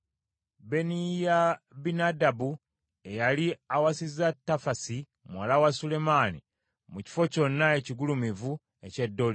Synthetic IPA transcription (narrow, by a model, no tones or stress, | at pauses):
be̞nijabinadabu | e̞jaliawasizatːafasi | mwalawasule̞manḭ | muci̥fo̞co̞nːaeciɡulumivu | e̞ce̞dːo̞li